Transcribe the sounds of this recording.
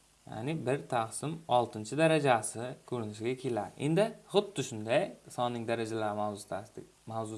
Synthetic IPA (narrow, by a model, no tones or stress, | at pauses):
ja̰nɪbɪɾt̪ʰaqsɪmɒlˠt̪ʰɪnt͡ʃʰɪd̪aɾad͡ʒasɪkʲʰɵɾɪnɪʃɪɡʲakʲʰe̞laɾʔḛnd̪ɪχʊd̪ːɪʃʊnd̪ajsɒnːɪŋd̪aɾad͡ʒalaɾm | mawzʊ